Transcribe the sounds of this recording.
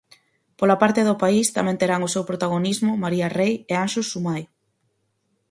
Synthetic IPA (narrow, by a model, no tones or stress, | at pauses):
polapaɾt̪eðʊpaist̪amẽnt̪eɾaŋʊsewpɾot̪aɣ̞onizmʊmaɾiarejeanʃusumaj